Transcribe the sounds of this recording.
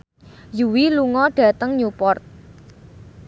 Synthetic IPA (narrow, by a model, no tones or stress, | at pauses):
juwiluŋɔɖ̥ä̤t̪əŋɲupɔrt̪̚